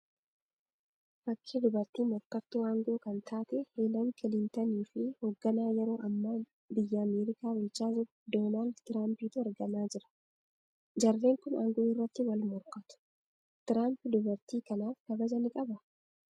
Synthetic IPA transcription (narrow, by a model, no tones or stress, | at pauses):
fɐkʰːed̪ʊbɐɾt̪iːmɔɾkɐt̪ːʊaːŋɡo̞ːkɐnt̪ʰaːt̪ɛheːlɐŋkʰɪlɪnt̪ɐniːfɪhoːɡːɐnaːjɛɾo̞ːʔɐmːaː | bɪjːɐːmeːɾɪkaːbʊlt͡ʃaːzʊ | d̪o̞ːnaːld̪t̪ɪɾaːmpiːt̪ʊɛɾɡɐnaːd͡ʒɪɾɐ̥ | d͡ʒɐrːe̞ːŋkʊna̰ːŋɡoːɪrːɐt̪ːɪwɐlmɔɾkɐt̪ʊ̥ | t̪ɪɾaːmpɪd̪ʊbɐɾt̪iːkɐnaːfkɐbɐd͡ʒɐnɪkʼɐbɐ